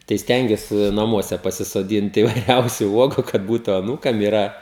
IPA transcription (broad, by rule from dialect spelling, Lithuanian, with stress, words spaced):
tɐɪ ˈsʲtʲɛŋʲɡʲuɔsʲɪ nɐˈmuɔsʲɛ pɐsʲɪsoːˈdʲiːnt iːʋɐɪˈrʲɛʊsʲʊ ˈuɔɡʊ kɐt ˈbuːtʊ ɐˈnuːkɐm ɪˈrɐ